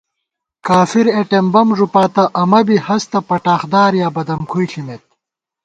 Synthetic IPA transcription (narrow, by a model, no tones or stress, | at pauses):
kaːfiɾeʈembɐmʐupaːt̪ɐʔɐmɐbihɐst̪ɐpɐʈaːxd̪aːɾjaːbɐd̪ɐmkʰujɬimet̪̚